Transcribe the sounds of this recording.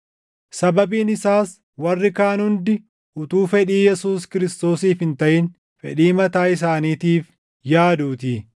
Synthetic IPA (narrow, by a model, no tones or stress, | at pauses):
sɐbɐbiːnɪsaːs | wɐrːɪkaːnhʊnd̪ɪ | ʔʊt̪uːfɛᶑiːjɛsuːskɪɾɪst̪o̞ːsiːfhɪnt̪ɐʔɪn | fɛɗiːmɐt̪aːɪs̬aːniːt̪iːf | jaːd̪uːt̪i